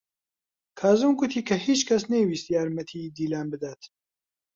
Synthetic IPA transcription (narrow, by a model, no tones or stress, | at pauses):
kʰaːzuːmɡʊt̪ʰiːkʰɐhiːt͡ʃkʰɐsnejwiːst̪jaːɾmɐt̪ʰiːd̪iːlaːnbɨd̪aːt̪